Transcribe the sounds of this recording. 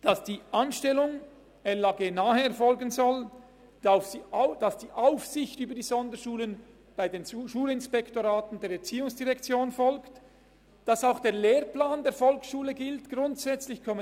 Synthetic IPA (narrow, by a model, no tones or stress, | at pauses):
d̥ɑsd̥iːʔanʃtɛlʊŋ | ɛlaɡeːnaːhəɛɐɾfɔlɡənzɔl | d̥aʊfsiaʊd̥ɑsd̥iːʔaʊfsɪçtyːbədiːzɔndəʃuːlən | b̥aɪdeːnʃuːlɪnspɛktoʁaːtn̩deːɐɾɛɐt͡siːʊŋsd̥iʁɛkt͡sjoːnfɔlkt | d̥ɑsaʊxd̥eːɐleːʁplaːndeːɐfɔlksʃuːləɡɪltɡ̥ʁʊntsɛt͡slɪçkʰɔmə